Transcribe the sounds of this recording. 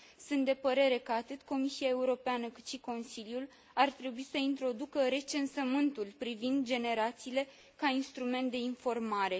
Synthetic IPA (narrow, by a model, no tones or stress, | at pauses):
sunt̪̚d̪e̞pəɾe̞ɾe̞kəat̪ɨt̪ko̞misiae̞uɾo̞peanəkɨt̪ʃiko̞nsiljul | art̪ɾe̞buisəint̪ɾo̞d̪ukəɾe̞t͡ʃe̞nsəmɨnt̪ulpɾivind̪̚d͡ʒe̞ne̞ɾat̪siːle̞ | kainst̪ɾume̞nt̪̚d̪e̞info̞rmaɾe̞